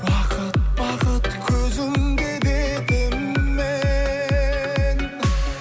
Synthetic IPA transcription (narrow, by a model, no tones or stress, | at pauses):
wɑqʰət̪wɑqʰət̪kʲʰɵzɪmd̪ed̪ebemme | n